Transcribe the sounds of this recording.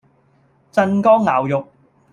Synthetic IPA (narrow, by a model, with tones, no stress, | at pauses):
t͡sɐ˧nkɔː˥ŋla̰ː˨˩wjʊ˨k̚